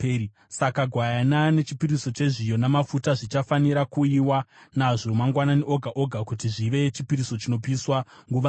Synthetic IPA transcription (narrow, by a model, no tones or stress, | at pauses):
sakaɡʱwajanane̞t͡ʃipiɾiso̞t͡ʃe̞ʐijo̞namafutaʐit͡ʃafaniɾakuiwanaʐo̞maŋɡwananiʔo̞ɡʱaʔo̞ɡʱakutiʐiʋe̞t͡ʃipiɾiso̞t͡ʃino̞piswaŋɡuʋa